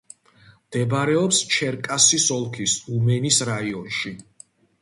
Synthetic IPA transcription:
md̪̥ɛbɾɛɔpst͡ʃʰɛɾkʼasisɔlˠkʰisumɛnisɾaiɔnʃi

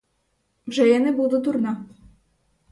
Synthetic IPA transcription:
vʐɛjɛnɘbɘwd̪ɔd̪uɾna

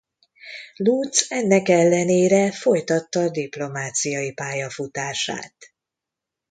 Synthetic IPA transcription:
lut̪sɛnːɛkɛlːɛneːɾɛfo̞jt̪ɒt̪ːɒːd̪iplo̞maːt̪sijɒjipaːjɒfut̪aːʃa̰ːt̪

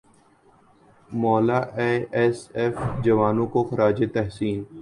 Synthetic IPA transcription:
mɔːlaʔeːɛsɛfd͡ʒɐʋaːnõkoxɐɾaːd͡ʒet̪ɛɦsiːn

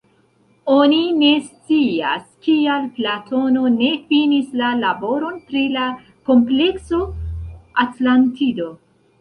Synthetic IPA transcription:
o̞nine̞st͡sia̰skialplatʰo̞no̞ne̞finislalabo̞ɾo̞npɾila | ko̞mple̞kso̞ | atlantido̞

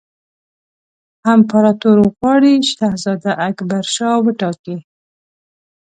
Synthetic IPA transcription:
hampaɾɑt̪oɾwəɣwɑɽiʃahzɑd̪aʔakbaɾʃɑwəʈɑki

